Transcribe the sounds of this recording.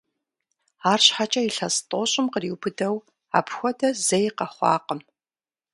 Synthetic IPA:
aːrɕħat͡ʃʼɐiɬɐstʼoːɕʼɪmqəriːwbɨdɐw | a̰ːpxʷɔdɐzɐjqɐχʷɑ̰ːqəm

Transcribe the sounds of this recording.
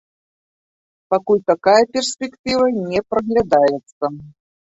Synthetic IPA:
pakulʲt̪akajɐpʲɛrsʲpʲɛkt̪ɨvɐnʲɛpɾɐɣlʲad̪ajɛt̪sɐ

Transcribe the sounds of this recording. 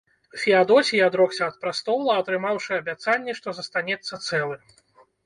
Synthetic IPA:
wfʲiad̪ɔsʲijad̪ɾɔksʲɐɐt̪̚pɾast̪ɔwlˠɐɐt̪ɾɨmawʂɨɐbʲat̪sanʲːɛʂt̪ɔzɐst̪anʲɛt̪sːɐt̪sɛlˠɨ

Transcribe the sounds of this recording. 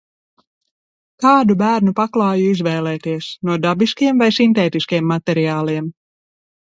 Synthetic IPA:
kɑːd̪ubæːɾnupaklˠɑːjuizvɛːlˠɛːt̪iɛsnuɔd̪abiskiɛmvajsint̪ɛːt̪iskiɛmːat̪ɛɾiaːlˠiɛm

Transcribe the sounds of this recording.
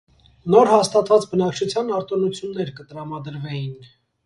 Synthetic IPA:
nɔɾhɑst̪ɑt̪vɑt͡sbənɑk̚t͡ʃʰut͡sʰjɑnɑɾt̪ɔnut͡sʰjunːɛɾkət̪əɾɑmɑd̪əɾvɛjin

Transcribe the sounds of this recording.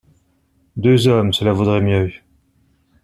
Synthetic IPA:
d̪øzɔmsəlavud̪ʁɛmjø

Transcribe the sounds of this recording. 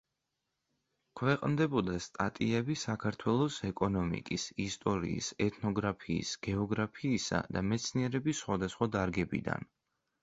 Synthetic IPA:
kʰwɛqʼnd̪ɛbɔd̪ast̪ʼa̰t̪ʼiɛbisakʰaɾt̪ʰwɛlˠɔsɛkʼɔnɔmḭkʼisist̪ʼɔɾḭːsɛt̪ʰnɔɡɾapʰiːsɡ̥ɛɔɡɾapʰiːsa̰d̪amɛt̪sʰniɛɾɛbisːχwad̪asχwad̪aɾɡɛbḭd̪a̰n

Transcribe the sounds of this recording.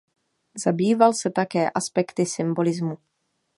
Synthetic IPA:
zabiːvalsɛt̪akɛːʔaspɛkt̪ɪsɪmbolɪzmu

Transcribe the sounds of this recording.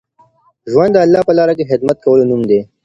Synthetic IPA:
ʒwand̪ːəɐlːɑpəlɑːɾakexɪd̪mɐt̪̚kɐwəlonumd̪e

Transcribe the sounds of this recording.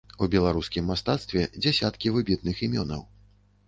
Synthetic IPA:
ubʲɛlˠaɾuskʲimːast̪at̪st̪vʲɛd͡zʲasʲat̪kʲivɨbʲit̪̚nɨximʲɔnɐ̰w

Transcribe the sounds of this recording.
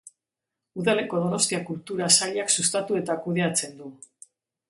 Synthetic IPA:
uðale̞ko̞ð̞ono̞st̪iakult̪uɾasaʎaksust̪at̪ue̞t̪akuðe̞at͡se̞nd̪u

